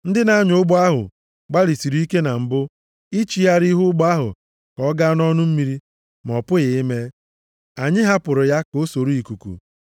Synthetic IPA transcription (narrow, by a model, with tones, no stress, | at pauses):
n̩˦dɪ˦na˦ɲʊ˨ʊ˦ɡ͡bʊ˦a˦ɦʊ̰˨ | ɡ͡ba˦ɾi˨si˨ɾu˦i˦ke˦na˨m̩˨bʊ˦ | i˦t͡ʃi˨ja˦ɾi˦ɦʊ˦ɡ͡bʊ˦a˦ɦʊ̰˨ | kɔ˦ɡa˦n˦ɔ˦nʊ˦m̩˦mi˦ɾi˦ | m˨ɔ˨pʊ˦ɣɪ˨ɪ˦me˦ | a˨ɲɪ˦ɦa˦pʊ˨ɾʊ˨ja˦ko˦so˨ɾu˦i˨ku˨kṵ˨